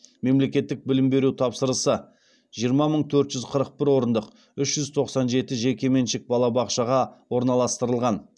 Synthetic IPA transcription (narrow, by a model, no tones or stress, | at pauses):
me̞mle̞kʲe̞t̪ːɪk̚bɪlɪmbe̞ɾut̪ʰɑpsəɾəsə | ʒ̥ijəɾmɑməɴt̪ʰɵɾt̪ʒʏzqʰəɾəq̚bɪɾwo̞ɾənd̪əq | ʏʃʒ̥ʏzt̪ʰo̞qsɑnʒe̞t̪ɪʒe̞kʲe̞me̞nʃɪk̚bɑlˠɑbɑqʃɑʁɑwo̞ɾnɑlˠɑst̪əɾəlˠʁɑn